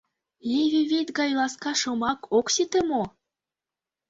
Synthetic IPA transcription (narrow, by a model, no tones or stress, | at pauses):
lʲeβʲiβet̪ɡɑjlˠɑskɑʃɤ̆mɑkokset̪ĕmo